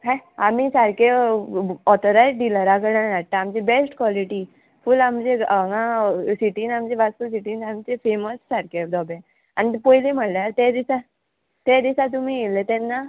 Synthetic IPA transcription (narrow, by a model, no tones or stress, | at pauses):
ɦãamiːsaɾke | ɔt̪ʰɔɾajɖiləɾaɡəɽanaʈt̪ãamt͡ɕibesʈkʋɔliʈiː | fuːlamd͡ʑeŋãsiʈiːnamt͡ɕeʋast̪us̬iʈiːnamt͡ɕefeməssaɾked̪ɔbẽ | añipojlem̤əɽleaɾt̪ed̪isa | t̪ed̪isat̪̬umiːɡelet̪ɛnːa